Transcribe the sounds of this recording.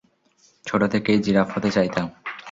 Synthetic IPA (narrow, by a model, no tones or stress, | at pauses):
t͡ɕʰoʈot̪ʰekejd͡ʑiɾapɦot̪et͡ɕajt̪am